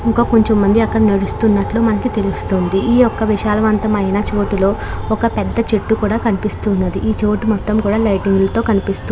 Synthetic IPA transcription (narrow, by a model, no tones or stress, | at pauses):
iŋkoːko̞ɲt͡ʃomːɐnd̪iɐkːɐɽinɐɽust̪unːɐʈluːmɐnɐkit̪e̞lust̪oːnd̪iʔiːɔkːɐʋiʂaːlɐʋɐnt̪ɐmɐjnaːt͡ʃo̞ːʈilo̞ː | ɔkɐpɛd̪ːɐt͡ʃeʈːukuːɽaːkɐnipist̪uːnːɐd̪iʔiːt͡ʃo̞ːʈumɔt̪ːɐmkuːɽaːlɐjʈiŋɡlɐt̪o̞ːkɐnipist̪u